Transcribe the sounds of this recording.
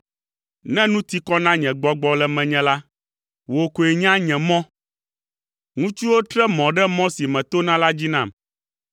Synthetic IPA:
nɛ̃˦nũ˦t̪i˦kɔ˦nã˦ɲɛ̃˨ɡ͡bɔ˦ɡ͡bɔ˦lɛ˨mɛ̃˨ɲɛ̃˨la˦ | wo˨ko˨e˨ɲ˦ã˦ɲɛ̃˨mɔ̃˦ | ŋũ˦t͡ʃu˦wo˦t̪ɾɛ˦mɔ̃˨ɖɛ˦mɔ̃˦si˨mɛ̃˨t̪o˦nã˦la˦d͡ʑi˦nã˦˨m

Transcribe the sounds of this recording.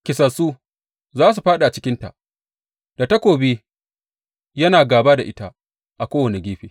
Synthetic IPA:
kʲɪ˨sɐ˨suː˦ | zaː˦s̬u˨ɸaː˦ɗa˨t͡ʃɪ˦kʲɪ˦nta̰˨ʔ | d̥a˨ta˦kʷoː˨be˦ | jɐ˦naː˨ɡaː˨baː˦da˨ʔɪ˦ta˦ | ʔa˨kʷoː˦wɐ˨ne˨ɡʲeː˦ɸeː˨

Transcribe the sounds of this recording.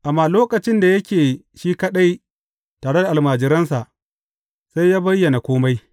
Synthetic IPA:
ʔa˨mːaː˨loː˦kɐ˨t͡ʃɪ˦nda˨jɐ˦kʲeː˨ | ʃiː˦kɐ˦ɗa˦j | taː˨ɽe˦da˨ʔa˨maː˨d͡ʒɪ˨ɾɐ˦nsa˨ʔ | sa˦jːaː˦bɐ˦jːɐ˨na˨kʷoː˦ma˦j

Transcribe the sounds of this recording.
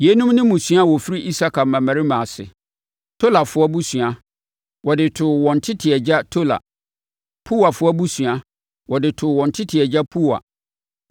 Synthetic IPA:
je˨˦nũ˦mnɪ̃˦mũ˨sɥa˦˨wɔ˨fi˦ɾi˦ʔi˦sa˦kʰa˨mã˨mã˨ɾi˦mã˨sɪ̰˨ | tʰo˦la˨fʊ˦ɔ˦bu˦sɥa˨ | wɔ˨dɪ˨tʰʊ˨wɔ̃˨n̩˨tʰɪ˦tʰɪ˨ɛ˨d͡ʑa˦tʰo˦la̰˨ | pʰu˦wa˨fʊ˦ɔ˦bu˦sɥa˨ | wɔ˨dɪ˨tʰʊ˨wɔ̃˨n̩˨tʰɪ˦tʰɪ˨ɛ˨d͡ʑa˦pʰu˦wa̰˨

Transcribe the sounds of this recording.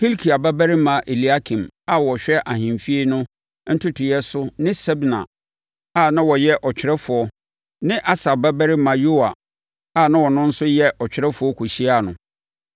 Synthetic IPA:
hi˦lkʰi˨a˨bɛ˦bæ˦ɾɪ˦mã˨ʔe˨li˨˦a˦kʰĩ˨ma˦wɔ˨ɕᶣɛ˦ʔa˨ɦɪ̃˨mfi˦e˦nʊ̃˦ | n̩˦tʰʊ˦tʰɪ˨jɛ˦sʊ˦nɪ̃˦sɛ˦bnã̰˨ | a˦˨nã˦wɔ˨jɛ˦ʔɔ˨t͡ɕᶣʰɪ˨ɾɛ˦fʊ˨ɔ˦ | nɪ̃˦ʔa˦sa˨bɛ˦bæ˦ɾɪ˦mã˨jo˦a˨ | a˦˨nã˦wɔ˨nʊ̃˦n̩˦sʊ˦jɛ˦ʔɔ˨t͡ɕᶣɪ˨ɾɛ˦fʊ˨˦ɔ˦kʰu˨ɕi˦a˨nʊ̃˨

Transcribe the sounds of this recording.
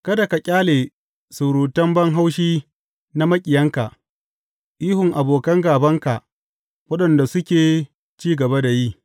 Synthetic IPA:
kɐ˦da˨ka˨kʲʼaː˦leː˨ | sʊ˨ɾuː˨tɐ˦mbɐ˦ŋɦa˦wʃiː˦ | na˦mɐ˦kʲʼɪ˨jɐ˦ŋka˨ʔ | ʔiː˦ɦʊ˨ŋʔa˨boː˨kɐ˦ŋɡaː˨bɐ˦ŋka˨ʔ | wɐ˦ɗɐ˨nda˨sʊ˦kʲeː˨ | t͡ʃiː˦ɡɐ˨ba˦da˨jiː˦

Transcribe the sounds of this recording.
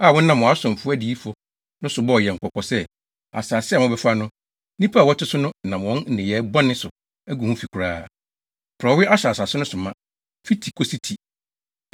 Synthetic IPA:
a˦˨wɔ˦nã˨m˨ɔ̃˨a˦sʊ̃˨m̩˨fʊ˦æ˦di˨˦i˦fɔ˦ | nʊ̃˦sʊ˨bɔ˦˨jɛ˨ŋ̩˨kʰɔ˨kʰɔ˨sɛ˦ | a̰˨sa˨sɪ˦a˨mʊ̃˦bɛ˦fa˦nʊ̃˦ | nĩ˦pʰa˦˨wɔ˦tʰɪ˦sʊ˦nʊ̃˦˨nã˨mwɔ̃˦nn̩˦nɪ̃˨jɛ˨˦bɔ˦nɪ̃˦sʊ˨ | æ˦ɡu˨hũ˦fi˨kʰu˨ɾaː˦ | pʰɾɔ˨˦wɪ˦ʔa˦ɕa˨sa˨sɪ˦nʊ̃˦sʊ˨mã̰˦ | fi˦tʰi˨kʰo˨si˦tʰi˨

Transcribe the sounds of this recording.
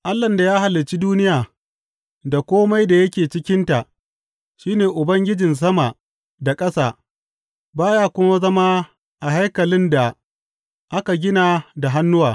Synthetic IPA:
ʔa˦lːɐ˨nda˨jaː˦ha˨lːɪ˨t͡ʃi˦duː˦nɪ˦jaː˨ | da˨kʷoː˦ma˦jda˨jɐ˦kʲeː˨t͡ʃɪ˦kʲɪ˦nta˨ʔ | ʃiː˦neː˨ʔʊ˨bɐ˦ŋɡʲɪ˦d͡ʒɪ˨ns̬ɐ˦ma˨ | da˨kʼɐ˦saː˦˨ | baː˦jaː˦kʷʊ˦ma˦zɐ˦ma˦ | ʔa˨ɦa˦jkɐ˨lɪ˦nda˨ | ʔa˦ka˨ɡʲɪ˦na˨da˨ɦa˦nːʊ˦waː˨

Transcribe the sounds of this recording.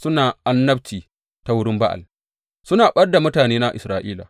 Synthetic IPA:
sʊ˦naː˨ʔa˦nːɐ˦bt͡ʃiː˨ | ta˦wʊ˦ɽɪ˦mba˦ʔa̰˨l | sʊ˦naː˨ɓɐ˦rda˨mʊ˦taː˨neː˦na˦ʔɪ˨sɾaː˨ʔiː˦la̰˨

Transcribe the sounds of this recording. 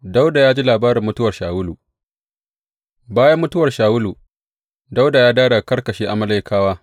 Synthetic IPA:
da˦wda˨jaː˦d͡ʒi˦laː˨baː˦ɾɪ˨mːʊ˦tʊ˦wɐ˨rʃaː˨wʊ˦luː˨ | baː˦jɐ˦mːʊ˦tʊ˦wɐ˨rʃaː˨wʊ˦lu˨ | da˦wda˨jaː˦daː˦da˨kɐ˦rkɐ˨ʃeː˦ʔa˨mɐ˦la˦jkʰaː˦waː˦

